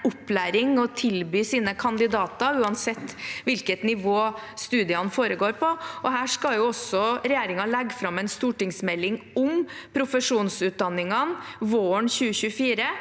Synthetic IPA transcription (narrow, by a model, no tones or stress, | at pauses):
ʊplæːɾɪŋɔt̪ʰɪlbyːsiːnəkʰɑnd̪ɪd̪ɑːt̪ɑʉːɑnsɛt̪ːʋɪlkət̪nɪʋoː | st̪ʉːd̪ɪəhɑnfoːɾəɡoːɾpʰɔʔɔɦæːʂkɑljʊɔsːɔɾɛjeːɾɪŋɑlɛɡːfɾɑmːɛɪnst̪uːʈɪŋsmɛlːɪŋ | ʊmpʰɾʊfəʂuːnsʉt̪̚d̪ɑnːɪŋɑnʋoːəɳçʉːəɕʉːfiːɾə